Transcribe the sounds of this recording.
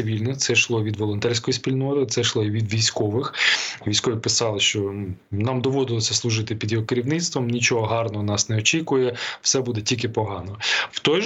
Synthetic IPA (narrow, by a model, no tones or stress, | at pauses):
ɪʋʲilʲnɪxt̪sɛʃlˠɔʋʲid̪ʋɔlˠɔnt̪ɛrʲsʲkɔjisʲpʲilʲnɔt̪ɪt̪sɛʃlˠɔʋʲid̪ʋʲijsʲkɔʋɪxʋʲijsʲkɔʋʲipɪsɑlˠɪʃt͡ʃɔnɑmd̪ɔʋɔd̪ɪlˠɔsʲɐslˠʊʒɪt̪ɪpʲid̪jɔɦɔkeɾʲiwnɪt̪st̪ʋɔmnʲit͡ʃɔɦɔɦɑrnɔɦɔnɑsnɛɔt͡ʃʲikʊjɛwsɛbud̪ɛtʲilʲkɪpɔɦɑnɔwt̪ɔj